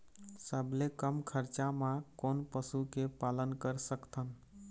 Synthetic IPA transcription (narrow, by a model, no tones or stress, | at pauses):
səbʱlekəmkʰəɾt͡ʃamãkonpəsukepalənkəɾsəkt̪ʰən